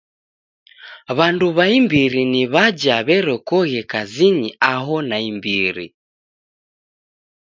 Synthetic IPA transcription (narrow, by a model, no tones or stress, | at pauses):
βanduβaimbiɾiniβad͡ʒaβɛɾɛkɔɣɛkaziɲiaɦɔnaimbiɾḭ